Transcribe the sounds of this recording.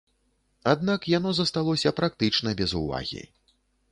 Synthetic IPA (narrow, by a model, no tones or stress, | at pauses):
ad̪̚nakjanɔzɐst̪alˠɔsʲɐpɾak̚t̪ɨt͡ʂnɐbʲɛzṵva̰ɣʲḭ